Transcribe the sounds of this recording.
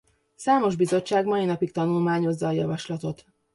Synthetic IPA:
saːmo̞ʒbizo̞t͡ʃːaːɡmɒinɒpik̚t̪ɒnulmaːɲo̞zːɒːjɒvɒʃlɒt̪o̞t̪

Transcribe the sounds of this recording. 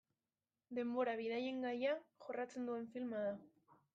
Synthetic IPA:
d̪e̞mbo̞ɾaβ̞iðaje̞ŋɡajaʝorat͡se̞nd̪ue̞ɱfilmaða

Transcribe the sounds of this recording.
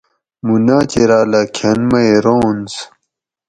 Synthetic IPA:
munaːt͡ɕeɾaːlakʰɐnmɐeɾoːns

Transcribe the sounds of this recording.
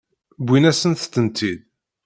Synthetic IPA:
bʷːinæsənθt̪ːənt̪ʰid̪̚

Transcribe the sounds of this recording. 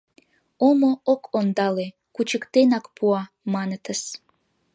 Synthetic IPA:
omookʰond̪ɑle | kut͡ɕəkt̪enɑkpʰuɑ | mɑnət̪əs

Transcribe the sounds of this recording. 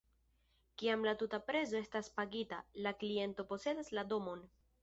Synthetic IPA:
kiamlatutapɾe̞zo̞e̞staspaɡitalaklie̞nto̞po̞se̞daslado̞mo̞n

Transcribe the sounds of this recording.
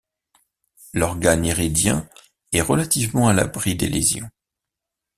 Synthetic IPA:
lɔʁɡaniʁid̪jɛ̰̃ | ɛʁəlat̪ivmɑ̃ala̰bʁid̪ḛlḛzjɔ̰̃

